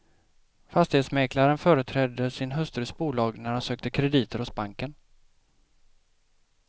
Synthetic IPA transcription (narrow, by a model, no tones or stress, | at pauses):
fast̪ɪheːt̪smɛːklaɾənfœːɾət̪ʰɾɛd̪ːəsɪnɦɵst̪ɾʉsbuːlɑːɡnæɾhansøːk̚t̪əkʰɾɛd̪iːt̪ʰəɾhʊsbaŋkən